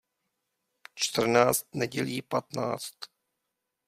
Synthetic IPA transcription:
t͡ʃt̪r̩naːt͡st̪nɛɟɛliːpat̪na̰ːt͡st̪

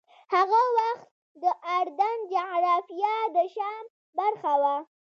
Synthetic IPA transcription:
haɣawaxt̪̚ | d̪əʔaɾd̪and͡ʒaɾɑfjad̪əʃɑm | baɾxawa

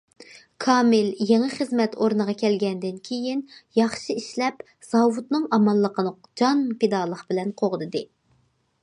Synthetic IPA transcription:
kʰɑːmɪljeŋɨχəzmɛt̪ʰoɾnɨʁɑkʲʰɛlɡʲɛnd̪ɪnkʲʰejinjɑχʃiiʃlɛp | z̥ɑwut̪nɨŋɑmɑlˠːəqʰənə | d͡ʒɑnped̪ɑːlˠəqbɪlɛnqʰoʁəd̪ɨd̪ɨ

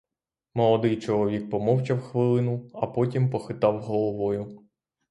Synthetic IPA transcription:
mɔlˠɔd̪ɪjt͡ʃɔlˠɔʋʲik̚pɔmɔwt͡ʃɐwxʋɪlˠɪnʊɐpɔtʲimpɔxɪt̪ɑwɦɔlˠɔʋɔjʊ

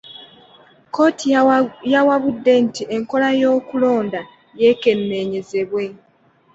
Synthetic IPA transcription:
ko̞ːtʰijawaβudːe̞ntiʔe̞ŋko̞lajo̞ːkulo̞ːnda | je̞ke̞mːe̞ɲe̞ze̞βwe̞

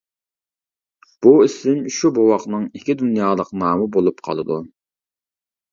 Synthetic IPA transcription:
b̥uɪsɪmʃubowɑqnɨŋikʲʰid̪unjɑːlˠəqnɑːmɨbolˠupqʰɑ̰lˠɨd̪u

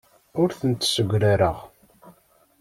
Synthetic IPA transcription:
ʊɾθənt̪səɡʷɾaɾəʁ

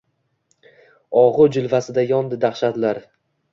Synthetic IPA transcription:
ɒʁʊd͡ʒʊlˠvasɪd̪ajɒnd̪ɪd̪aχʃad̪laɾ

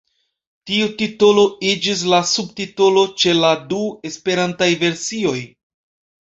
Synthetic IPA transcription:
tiutito̞lo̞id͡ʒis̬lasubtito̞lo̞t͡ʃe̞ladue̞spe̞ɾantajve̞ɾsio̞j

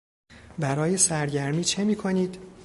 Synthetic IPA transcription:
bæɾɒːje̞sæɾɟæɾmiːt͡ʃʰe̞miːkʰo̞niːd̪

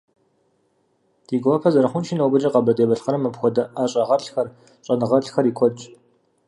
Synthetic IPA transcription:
d̥iːɡʷɔɐpʰɐzɐɾɐχʷʊnʃɪnɐwbɨd͡ʒɐqɐbɐdeːbɐɬxɐɾɐmːɐpxʷɔdɐʔaːɕʼɐʁɐrɬxɐr | ɕʼɐnɨʁɐrɬxɐriːkʷʰɔt͡ʃʼ

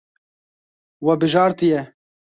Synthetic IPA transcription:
wɛbɨʒɑːɾt̪ijɛ

